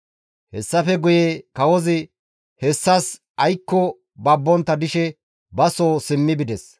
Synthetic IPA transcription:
hɛ̰sːɐfɛɡʊjeːkɐwɔzɪ | hɛsːɐs | ʔɐjkːɔ | bɐbːɔnt̪ːɐd̪ɪʃɛ | bɐsoːsɪmːɪbɪd̪ɛs

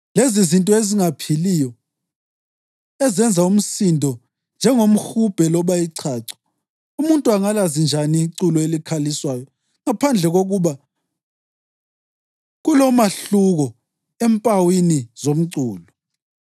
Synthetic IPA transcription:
lezizintʼɔeziŋapʰilijɔ | ɛzɛnd͡zʱaum̩sindʱɔ | nd͡ʒʱɛŋom̩xub̥ʱɛlɔβajiǀʰaːǀɛ̥ | umuntʼuaŋalazind͡ʒʱaniːǀulɔelikʰaliswajɔ | ŋapʰand͡ɮʱɛɣoɣuβa | ɣulɔmaɬuɣɔ | empʼawinizom̩ǀuːlɔ

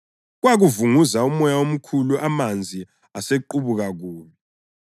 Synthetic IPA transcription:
ɣwaɣuvuŋuzaumɔjaom̩kʰuluʔamand͡zʱi | aseǃuβuɣaɣuːlɔ

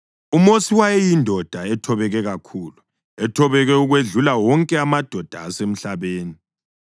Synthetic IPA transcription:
umosiwajejindʱɔd̥ʱaɛtʰɔβɛɣɛɣakʰuːlu | ɛtʰɔβɛɣɛuɣweɮulawɔŋkʼɛamad̥ʱɔd̥ʱa̰ːsem̩ɬaβeːni

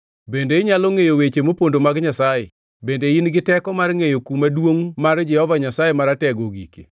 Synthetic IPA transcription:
bendeɪɲaloŋejowet͡ʃemopondomaɡɲasajḛ | bendeinɡɪtɛkɔmarŋejokumadwoŋmaɾd͡ʒɛhɔvaɲasajemaɾatɛɡoɡḭke̥̰

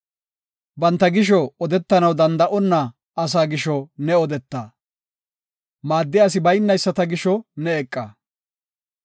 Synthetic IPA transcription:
bɐnt̪ːɐɡɪʃɔɔd̪ɛt̪ːɐnɐwd̪ɐnd̪ɐʔɔnːɐ | ɐs̬aːɡɪʃɔnɛɔd̪ɛt̪ːaː | maːd̪ːɪjas̬ɪbɐjɪnːɐjsːɐt̪ɐɡɪʃɔnɛɛkʼːaː

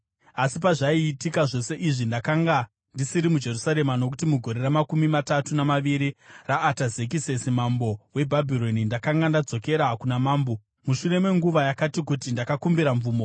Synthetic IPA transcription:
asip̬aʐaiːtikaʐo̞se̞ʔiʐindakaŋɡa | ndisiɾimud͡ʒe̞rusaɾe̞mano̞k̬utimuɡʱo̞ɾe̞ɾamakumimatatunamaʋiɾiraːtazek̬ise̞simambo̞we̞bʱabʱiɾo̞nindakaŋɡandad͡zo̞ke̞ɾakunamaːmbo | muʃure̞me̞ŋɡuʋajakatikutindakakumbiɾaɱvuːmo̞

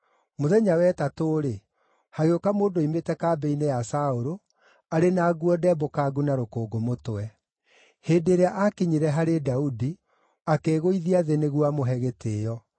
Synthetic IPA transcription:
moðɛɲawɛtatoːɾe | haɣeokamoːndoimetɛkaːbɛinejasaoɾo | aɾenaːɡuɔdɛbokaːɡunaɾokoːɡomotwɛ | heːdeɾeaʔakiɲiɾɛɦaɾedaudi | akeːɣoiðiaðeneɣwamoɦɛɣeteːjɔ

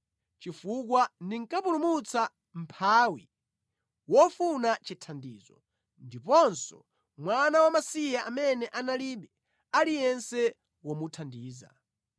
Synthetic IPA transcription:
t͡ʃifuk̬wandiŋ̩kapulumut͡sa | m̩pʰaːwi | wɔfunat͡ʃitʰandiːzɔ̰ | ndipɔnsɔ̰ | mwanawamasijaʔamɛnɛʔanaliɓɛ | alijɛnsɛ | wɔmutʰandiːza̰

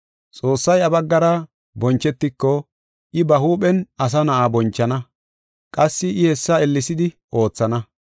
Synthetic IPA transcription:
t͡sʼo̞ːsːɐjɐbɐɡːɐɾɐ | bɔnt͡ʃːɛt̪ːɪkːɔ | ʔɪbɐhuːpɛnɐs̬ɐnɐʔaːbɔnt͡ʃːɐnɐ | kʼɐsːɪɪhɛsːɐɛlːɪsɪd̪ɪ | ʔo̞ːt͡sːɐnɐ

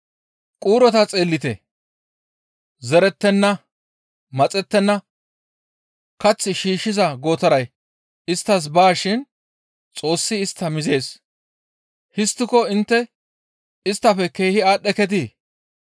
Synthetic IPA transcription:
kʼuːɾɔt̪ɐt͡sʼe̞ːlːɪt̪ɛ̰ | zɛɾɛt̪ːɛnːɐ | mɐt͡sʼɛt̪ːɛnːɐ | kɐt͡sːɪʃiːʃːɪzɐɡoːt̪ɐɾɐj | ɪst̪ːɐs̬baːʃɪn | t͡sʼo̞ːsːɪːst̪ːɐmɪze̞ːs | hɪst̪ːɪkɔɪnt̪ːɛ | ɪst̪ːɐfɛke̞ːhɪaːɗːɛkɛt̪̬iː

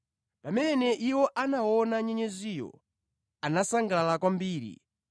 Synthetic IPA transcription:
pamɛnɛʔiwɔʔanaɔnaɲɛɲɛzijɔ̰ | anasaŋɡalakwambiːɾḭ

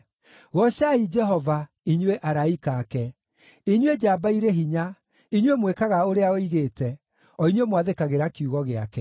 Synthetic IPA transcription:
ɣɔɕaid͡ʒɛɦɔva | iɲweʔaɾaikaːkɛ | iɲwed͡ʒaːbaiɾeɦiɲa | iɲwemwekaɣaoɾeaɔiɣeːtɛ | ɔiɲwemwaðekaɣeɾakuɣɔɣeakɛ

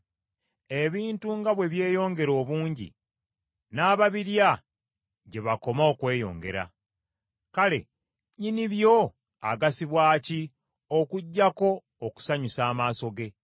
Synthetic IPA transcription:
e̞βiːntuŋɡaβwe̞βje̞ːjo̞ːŋɡe̞ɾo̞ːβuːɲɟḭ | naːβaβiɾja | ɟe̞βako̞maokwe̞ːjo̞̰ːŋɡe̞̰ɾa̰ | kale̞̰ | ɲiniβjo̞ | a̰ɡasiβwaːci | okuɟːako̞ː | ku̥saɲusaːmaːso̞ɡe̞

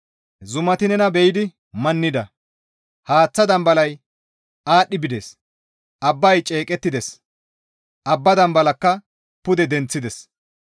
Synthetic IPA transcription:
zʊmɐt̪ɪnɛnɐbɛjɪd̪ɪ | mɐnːɪd̪ɐ | haːt͡sːɐd̪ɐmbɐlɐj | ʔaːɗːɪbɪd̪eːs | ʔɐbːɐjt͡ʃʼe̞ːkʼɛt̪ːɪd̪ɛs | ʔɐbːɐd̪ɐmbɐlɐkːɐ | pʊd̪ɛd̪ɛnt͡sːɪd̪ɛs

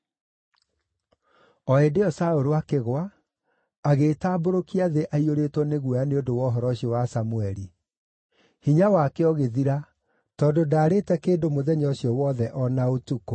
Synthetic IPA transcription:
ɔedeɔsaoɾowakeɣwaː | ɣeːtaːboɾokiaðeʔaioɾeːtwɔneɣwɔjaneodowɔɦɔɾɔɕiɔwasamuɛɾi | hiɲawakeɔɣeðiɾa | tɔːndodaːɾetɛkeːdomoðɛɲɔɕiɔwɔːðɛʔɔnaotuko

